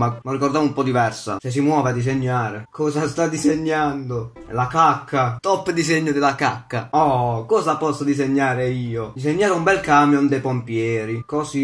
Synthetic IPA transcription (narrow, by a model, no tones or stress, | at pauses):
mamorːikɔrd̪amumpɔd̪ivɛrsa̰ses̬imwɔːvead̪is̬eɲːaːɾekʰɔːsast̪ad̪izeɲːand̪o | lakakʰːat̪ɔpːd̪izɛɲːod̪ɪlaka̰kːaɔkɔːzapɔsːod̪iz̬eɲːaːɾeiːod̪iseɲːaːɾeumbɛlkamjond̪ɛjpompjɛːɾikɔsi